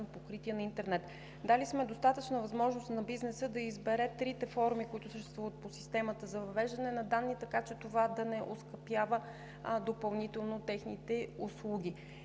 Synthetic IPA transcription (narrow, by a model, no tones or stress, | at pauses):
npokɾit̪iɛnɐint̪ɛɾnɛt̪ | d̪alismɛd̪ost̪at̪ət͡ʃnəvɐzmɔʒnost̪nɐbiznɛsəd̪ɐizbɛɾɛt̪ɾit̪ɛfɔɾmikoit̪ʊsəʃt̪ɛst̪vuvət̪̚posi̥st̪ɛmət̪əzɐvɐvɛʒd̪ɐnɛnɐd̪anːit̪ɐkat͡ʃɛt̪ovad̪ɐnɛʔoskɐpjavə | d̪opɐlˠnit̪ɛlˠnot̪ɛxnit̪ɛuslˠuɡʲi